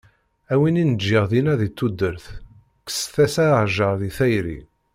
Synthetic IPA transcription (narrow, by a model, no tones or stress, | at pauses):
æwininəd͡ʒːɪʁðinæðit̪ːud̪ːəɾθ | kə̥sθæsæʕʒəɾðiθæjɾḭ